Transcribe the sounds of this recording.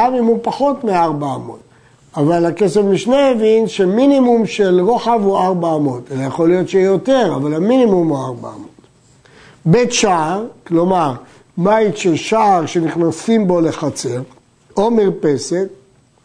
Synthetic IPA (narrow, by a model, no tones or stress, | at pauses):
avimupaχo̞tmeaʁbaamo̞̰t̪ | avalake̞sevmiʃneːvinʃeminimumʃelʁoχavuaʁbaːmo̞t̪elajaχo̞lijo̞tʃeijote̞ʁavalaminimumuaʁba̰a̰mot̪ | bet̪ʃaːʁklo̞maʁ | mait̪ʃelʃaːʁʃe̞niχnasimbo̞le̞χat͡seʁ | o̞miʁpe̞se̞t̪̚